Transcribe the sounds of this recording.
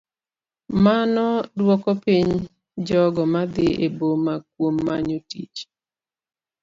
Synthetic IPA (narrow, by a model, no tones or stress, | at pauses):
manɔdwɔkɔpiɲ | d͡ʒɔɡɔmad̪ɪḛbomak̚womːaɲotḭt͡ʃ